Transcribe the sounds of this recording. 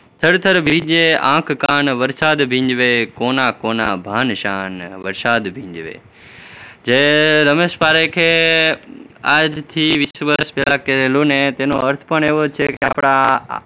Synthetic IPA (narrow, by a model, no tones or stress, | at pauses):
t̪ʰəɽt̪ʰəɾbʱĩːd͡ʒeã̰ːkʰkaːnʋəɾsaːd̪bʱĩːɲd͡ʒʋeːkoːnaːkoːna̰bʱaːnʃaːnʋəɾsaːd̪bʱĩːɲd͡ʒʋḛː | d͡ʒeːɾəmeːspaːɾekʰeː | aːd͡ʒt̪ʰiːʋɪsʋəɾspeːlakeɾeːlonẽt̪eɦno̰ɐɾt̪ʰpəɳ̃eːʋot͡ʃʰekea̰ːpɽ̃a